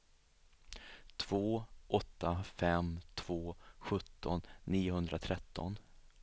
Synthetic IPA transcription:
t̪ʰv̥oːʔɔt̪ːafɛmt̪ʰv̥oːɧɵt̪ːɔnːiːʊɦɵnd̪ɾʔat̪ʰɾɛt̪ʰːɔ̰n

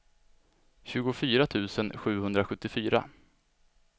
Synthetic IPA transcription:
ɕʉ̟ːɡʊfyːɾat̪ʰʉ̟ːsənɧʉ̟ːhɵnd̪ɾaɧɵt̪ːɪfyːɾa̰

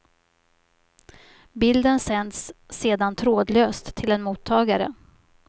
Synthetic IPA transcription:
bɪld̪ənsɛnd̪sːeːd̪ant̪ʰɾoːd̪løːst̪ʰːɪlɛnmuːt̪ʰːɑːɡaɾə̰

